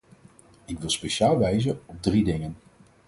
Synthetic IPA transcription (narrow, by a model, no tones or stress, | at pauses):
ɪkʋɪlˠspejʃaːlˠʋɛjzənɔb̚dridɪŋən